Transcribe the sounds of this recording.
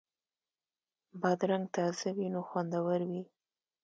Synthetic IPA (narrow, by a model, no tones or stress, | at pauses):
bɑd̪ɾaŋɡ̚t̪azawinoxwand̪awəɾwi